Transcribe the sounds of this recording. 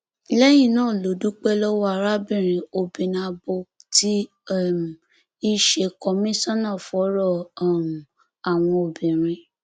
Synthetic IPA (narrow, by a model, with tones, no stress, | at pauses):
lɛ˦j̃ĩ˦˨nãː˦˨lo˨˦du˦k͡pɛ˦lɔ˦wa˨ɾa˦bĩ˦˨ɾ̃ĩ˨o˨bĩ˨nã˧bo˧ti˦˨ | m˨ | i˦ʃe˧kɔ˧mĩ˦sã˦nãː˦˨fɔ˨˦ɾɔ˦˨m˨ | a˨w̃ɔ̃˧o˨bĩ˨ɾ̃ĩ˧